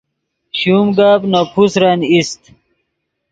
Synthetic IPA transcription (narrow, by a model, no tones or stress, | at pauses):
ɕuːmɡaːbnopʰusɾanist̪